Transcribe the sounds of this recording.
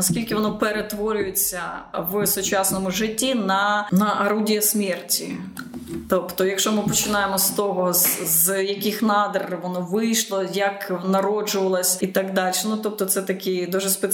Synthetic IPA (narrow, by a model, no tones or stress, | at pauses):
nɐskʲilʲkɪʋɔnɔpeɾet̪ʋɔɾʲʊjet͡sʲːɐʋsʊt͡ʃɑsnɔmʊʒɪtʲːinɐnɐʔɐɾudʲijɐsmʲɛrtʲi | t̪ɔpt̪ɔjɐkʃɔmɪpɔt͡ʃɪnɑjemɔst̪ɔɦɔzzjɐkɪxnɑd̪erʋɔnɔʋɪjʃlˠɔjɐknɐɾɔd͡ʒʊʋɐlˠɐsʲit̪ɐɡd̪ɑlʲʃɛnut̪ɔp̚t̪ɔt̪sɛt̪ɐkʲid̪uʒɛspe